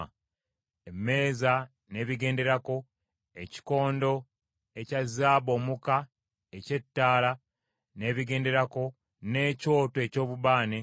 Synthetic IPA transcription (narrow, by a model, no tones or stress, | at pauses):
emːe̞ːza | ne̞ːβiɡe̞ːnde̞ɾako̞ | eci̥ko̞ːndo̞ | ecazːaːβo̞ːmuka | ece̞tːaːla | ne̞ːβiɡe̞ːnde̞ɾako̞ | ne̞ːco̞ːtoe̞co̞ːβuβaːne